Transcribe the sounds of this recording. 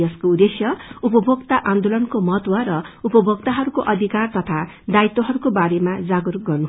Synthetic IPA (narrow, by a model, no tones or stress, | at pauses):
ʌskoud̪esjʌupʌbʱʌkt̪aʔãnd̪olʌnkomʌt̪wʌɾʌupʌbʱʌkt̪aɦʌɾukoʔʌd̪ʱikart̪ʌt̪ʰa | d̪ait̪ːoɦʌɾukobaɾemad͡zaɡurɡʌrnu